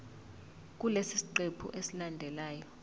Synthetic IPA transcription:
k̬ulesisi̥ǃepʰṵʔesilandʱɛlaːjɔ

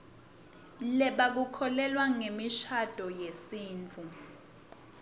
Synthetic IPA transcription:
lɛɓak̬ukʰɔlɛlwaŋemiʃad̥ʼʱɔjesiːnt͡fʰu

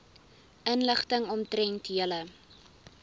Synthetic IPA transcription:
ənləχtəŋɔmtrɛntiələ

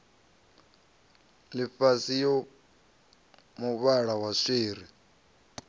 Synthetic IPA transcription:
lifasijo | muβaɺawaseːɾi

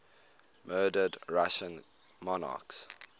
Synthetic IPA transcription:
mɜːdədɹaʃə̃nmɔna̰ˑks

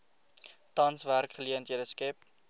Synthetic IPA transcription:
tɐnsværkχəliəntɦiədəskɛp

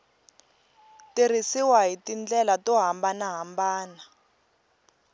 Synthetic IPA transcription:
tir̤isiwaɦitind͡ɮɛlatɔɦambanaɦambaːna

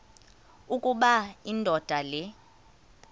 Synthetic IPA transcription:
ukʼuɓaindʱɔd̥ʱalɛ

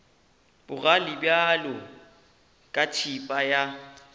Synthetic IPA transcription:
bʊralɪbjalɔ | kʼatʰipʼaja

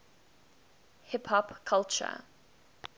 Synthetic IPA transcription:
hɪpʰhɔpkʰalˠt͡ʃə̰

